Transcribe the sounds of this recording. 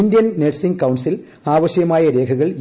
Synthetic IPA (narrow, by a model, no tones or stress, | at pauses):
ɪnd̪ɪjɐnnɛʈsɪŋɡkɐwʊɳsɪl | aːʋɐʂɐjɐmaːjɐɾeːɣɯɣɐɭ